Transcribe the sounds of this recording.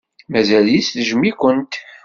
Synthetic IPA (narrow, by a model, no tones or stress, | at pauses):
mæzæljisθəʒmikʷənt̪